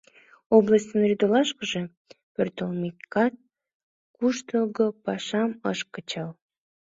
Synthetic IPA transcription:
oblˠəsʲt̪ʲənrʲyd̪olɑʃkəʒĕ | pørt̪əlˠmikɑt̪̚ | kuʃt̪oɣopɑʃɑmɤʃkət͡ɕɑl

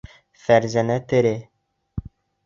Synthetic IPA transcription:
fæɾzænæt̪ɘ̆ɾɘ

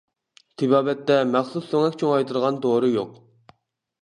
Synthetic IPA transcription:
t̪ʰɪbɑːbɛt̪ːɛmæχsusøŋɛkʲt͡ʃʰoŋɑjt̪ʰɨɾʁɑnd̪oːɾɨjoq

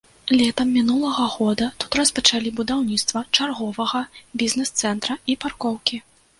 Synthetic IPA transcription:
lʲɛt̪ɐmːʲinulˠɐɣɐɣɔd̪ɐt̪u̥t̪rɐspɐt͡ʂalʲibud̪awnʲit̪st̪vɐt͡ʂarɣɔvɐɣɐbʲiznɛst̪sɛnt̪ɾɐiparkɔwkʲi

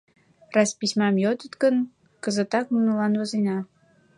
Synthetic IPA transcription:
rɑspisʲmɑmjot̪ət̪ɡən | kəzə̆t̪ɑk̚munulɑnβɑzejnɑ

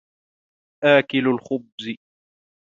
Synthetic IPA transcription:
ʔaːkɪlalxʊbz

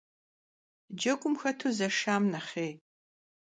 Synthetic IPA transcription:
d͡ʒɐkʷʼʊmxɐtʰuzɐʃaːmnɐχeː

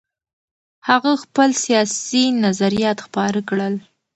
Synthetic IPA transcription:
haɣaxpəlsijɑsinazaɾijɑt̪xpɑɾəkɽəl

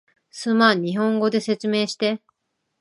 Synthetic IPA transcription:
sɨmã̟iɦõ̞ŋɡo̞d̪e̞se̞t͡sɨme̞ːɕi̥t̪e̞

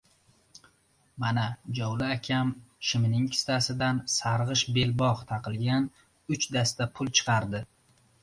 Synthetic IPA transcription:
manad͡ʒɒwlɪakʲʰamʃɪmnɪŋkʲʰɪ̥st̪asɪd̪ansaɾʁɨʃbe̞lbɒʁt̪ʰɑqɨlˠɡʲan | ʊt͡ʃd̪ast̪apʰʊlˠt͡ʃʰɨ̥qʰɑɾd̪ɪ

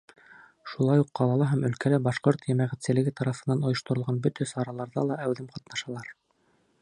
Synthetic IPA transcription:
ʃulˠɑjuqːɑlˠɑlˠɑɦæmɵ̆lkælæbɑʃqoɾt̪jæmæʁæ̆t̪sɘ̆lɘ̆ɡɘt̪ɑɾɑfɤ̆nːɑnŏjŏʃt̪ŏɾŏlʁɑnbɵt̪æsɑɾɑlˠɑɾðɑ̰lˠɑʔæwðɘmqɑt̪nɑʃɑlˠɑɾ

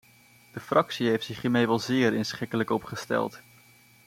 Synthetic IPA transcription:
d̥əfrʔɑksiɦejftsɪχɦiːmejʋɑlˠzɪːɹɪnsχɪkələkɔpχəstɛ̰lˠt

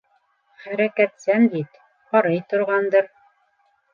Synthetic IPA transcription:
χæɾækæt̪sæmd̪it̪ | qɑɾɤjt̪ŏɾʁɑnd̪ɤɾ

